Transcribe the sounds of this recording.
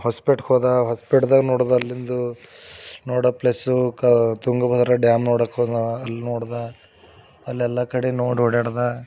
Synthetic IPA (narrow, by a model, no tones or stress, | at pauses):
haːspiʈhoːd̪aɦaːspiʈd̪aːɡnoːɽd̪ɐɐlːind̪u | noːɽɐplesukɐt̪uŋɡɐbʱɐd̪ɾɐɖjaːmnoːɽɐkoɐlːinoːɽd̪a | ɐlːiɛlːɐkɐɽenoːɽoɽeɽd̪a